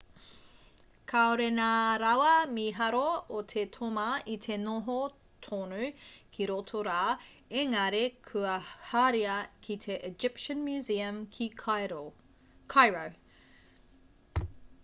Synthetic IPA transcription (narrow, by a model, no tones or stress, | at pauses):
kʰaoɾenaɾɐwɐmiɦɐɾootʰetʰomɐit̪ʰenoɦo | tʰonukʰiɾotʰoɾaː | eŋɐɾekʰʉɐhaɾiɐkʰitʰeʔed͡ʒɪpʃənmjʉziɐmkʰi | kʰajɹow